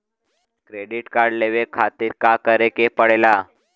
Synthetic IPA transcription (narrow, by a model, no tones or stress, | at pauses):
kɾeɖiʈkaɾɽleʋekʰat̪iːɾkakəɾekepəɽela